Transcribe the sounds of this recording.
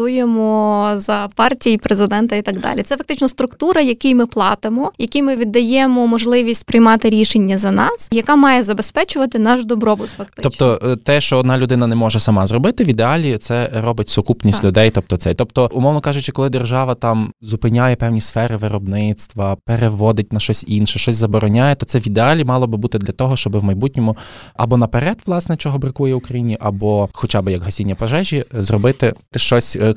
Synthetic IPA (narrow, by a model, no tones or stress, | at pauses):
t̪ujemɔzɐpɑrtʲijipɾezɪd̪ɛnt̪ɐit̪ɐɡd̪ɑ̰lʲḭt̪sɛfɐk̚t̪ɪt͡ʃnɔst̪ɾʊkt̪uɾɐjɐkijmɪplˠɑt̪ɪmɔjɐkijmɪʋʲid̪ːɐjɛmɔmɔʒlˠɪʋʲisʲtʲpɾɪjmɑt̪ɪɾʲiʃenʲːɐzɐnɑsjɐkɑmɑjɛzɐbespɛt͡ʃʊʋɐt̪ɪnɑʃd̪ɔbɾɔbʊt̪fɐk̚t̪ɪt̪ɔpt̪ɔt̪ɛʃt͡ʃɔɔd̪nɑlʲʊd̪ɪnɐnɛmɔʒɛsɐmɑzrɔbɪt̪ɪʋʲid̪eɑlʲit̪sɛɾɔbɪtʲsʊkupnʲistʲlʲʊd̪ɛjt̪ɔp̚t̪ɔt̪sɛt̪ɔpt̪ɔʔʊmɔwnɔkɑʒʊt͡ʃɪkɔlˠɪd̪erʒɑʋɐt̪ɑmzʊpɪnʲajɛpɛwnʲisfɛɾɪʋɪɾɔbnɪt̪st̪ʋɐpeɾeʋɔd̪ɪt̚ʲnɐʃt͡ʃɔsʲinʃɛʃt͡ʃɔsʲzɐbɔɾɔnʲajɛt̪ɔt̪sɛʋʲid̪eɑlʲimɑlˠɔbɪbut̪ɪd̪lʲɐt̪ɔɦɔʃt͡ʃɔbɪwmɐjbut̚ʲnʲɔmʊɐbɔnɐpeɾɛd̪ʋlˠɑsnɛt͡ʃɔɦɔbɾɪkujɛʊkɾɐjinʲiʔɐbɔxɔt͡ʃabɪjɐkɦɐsʲinʲːɐpɐʒɛʒʲizrɔbɪt̪ɪt̪ɪʃt͡ʃɔsʲ